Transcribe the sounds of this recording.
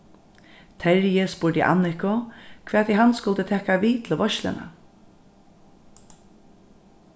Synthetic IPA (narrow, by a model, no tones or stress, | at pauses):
t̪ʰɛɾjɪspʊːɹd̪ɪ̰ʔa̰nɪhkʊkʰvɛːt̪iɦanskʊlt̪ət̪ʰɛːkaʋiːt̪ʰɪlʋɔʃlɪ̰na̰